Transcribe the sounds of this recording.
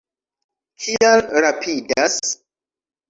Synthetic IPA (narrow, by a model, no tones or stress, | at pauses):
kʰialɾapʰidas